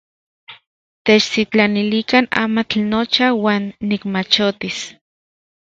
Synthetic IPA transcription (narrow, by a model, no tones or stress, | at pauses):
t̪et͡ʃsit͡ɬanilikana̰ːmat͡ɬnot͡ʃawaːnːikmat͡ʃot̪is